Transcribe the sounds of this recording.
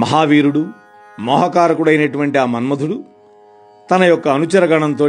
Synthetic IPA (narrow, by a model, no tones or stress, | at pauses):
mɐɦaːʋiːɾuɽu | mɔːɦɐkaːɾɐkuɽɐjinɐʈuʋɐɳʈiaːmɐnmɐd̪ʱuɽu | t̪ɐnɐjɔkːɐːnut͡ʃɐɾɐɡɐɳɐnt̪o̞ː